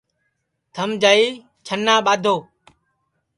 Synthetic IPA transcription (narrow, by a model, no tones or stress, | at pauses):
t̪ʰəmd͡ʒaːiː | t͡ʃʰənːaːɓaːd̪ʱoː